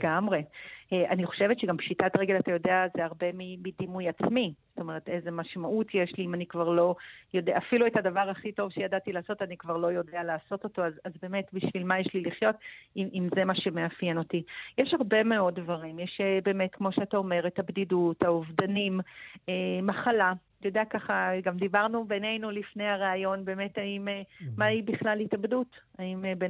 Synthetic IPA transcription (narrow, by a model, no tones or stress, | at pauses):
ɡamʁeeaniχo̞̥ʃe̞vetʃeɡampʃitatʁeɡe̞latajo̞deazeaʁbe̞mimidimujat͡smiz̥oto̞me̞ʁetezemaʃmaʔutʰjeʃliimanikvaʁlo̞jo̞deʔafiluetadavaʁaχito̞vʃejadatilaːso̞tanikvaʁlo̞jo̞dealaːso̞to̞to̞azazbe̞ːme̞tbiʃvilmajeʃliliχjo̞tiimze̞maʃe̞meafjeno̞tijɛʃhaʁbe̞me̞o̞ddvaʁimjeʃebe̞ːme̞tkmo̞ʃeatao̞me̞ʁetabdidutauvdanimemaχala | jodeakaχaɡamd̪ibaʁnubene̞jnulifne̞jaʁaːjo̞nbe̞ːme̞taimeːaibiχlalitabdut | aimbe